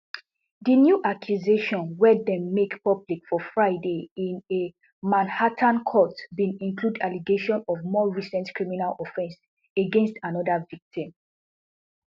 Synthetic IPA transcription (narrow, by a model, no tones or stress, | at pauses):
dinjuʔakʰjuzeʃɔ̃nwɛdɛ̃mːekpɔblikfɔfɹaɪdeĩne | mãnhatʰãnkʰɔtbĩnĩnkludaliɡeʃɔ̃nɔvmɔɹisɛ̃ntkɹiminalɔfɛ̃ns | eɡɛ̃nstãnɔdavik̚tĩm